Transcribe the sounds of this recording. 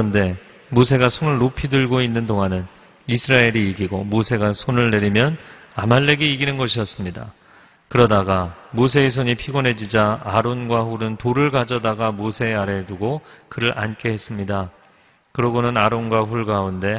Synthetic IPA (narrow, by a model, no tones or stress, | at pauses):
ʌnde̞ | mos̬ʰe̞ɡasʰonɯɭːopʰidɯɭɡoinːɯndoŋɦanɯn | isʰɯɾaeɾiːɡiɡomosʰe̞ɡasʰonɯɭːe̞ɾimjʌnamaɭːe̞ɡeiɡinɯnɡʌɕʰijʌs͈ɯmɲida̰ | kɯɾʌdaɡamosʰe̞ːs̬ʰoɲipʰiɡonɦe̞d͡ʑid͡ʑaaɾonɡwaɸuɾɯntoɾɯɭɡad͡ʑʌdaɡamosʰe̞aɾe̞duɡokɯɾɯɾʔa̰nk͈e̞ɦe̞s͈ɯmɲida | kɯɾʌɡonɯnaɾonɡwaɸuɭɡaunde̞